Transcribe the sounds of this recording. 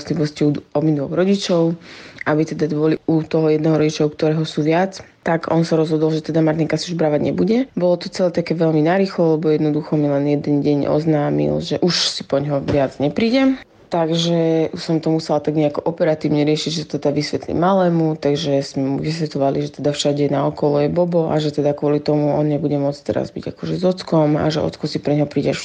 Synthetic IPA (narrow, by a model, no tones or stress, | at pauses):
sliʋɔsciud̪ɔminʋɔɣɾɔɟit͡ʃɔʊʔabit̪ɛd̪ad̪ʋɔliut̪ɔɦɔjɛd̪nɛɦɔɾɔɟit͡ʃauk̚t̪ɔɾɛːɦɔsuːʋɪat͡s | t̪aɡɔnsaɾɔzɦɔd̪ɔlʒɛt̪ɛd̪amaɾt̪iŋkasiuʒbɾaːʋaɟɲɛbuɟɛbɔlɔt̪ɔt͡sɛlɛt̪akɛʋɛʎminaɾiːxlɔlɛbɔjɛd̪nɔd̪uxɔmilɛnjɛd̪ɛnɟɛɲʔɔ̰znaːmḭlʒɛʔuʃsi̥pɔɲɦɔʋɪad͡zɲɛpɾiːɟɛ | t̪aɡʒɛusɔmt̪ɔmusɛlt̪aɡɲɛakɔʔɔpɛɾat̪iːʊɲɛɾɪɛʃiɟʒɛt̪ɛd̪aʋisʋɛt̪lḭmalɛːmut̪aɡʒɛz̥mɛmuʋisʋɛt̪lɔʋaliʒɛt̪ɛd̪afʃaɟɛnaɔkɔlɔjɛbɔbɔʔa̰ʒɛt̪ɛd̪akʊɔlit̪ɔmuɔnɲɛbuɟɛmʊɔt͡st̪ɛɾa̰zbḭɟa̰kɔʒɛzɔt͡skɔma̰ʒɛ̰ɔ̰t͡skɔsipɾɛɲɦɔpɾiːɟɛʃ